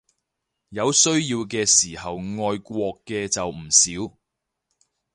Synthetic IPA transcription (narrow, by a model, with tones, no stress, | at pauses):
jɐ˨˧wsɵ˥ɥjiː˧wkɛː˧siː˨˩hɐ˨wŋɔː˧jkʷɔː˧kːɛː˧t͡sɐ˨wm̩˨˩siː˨˥w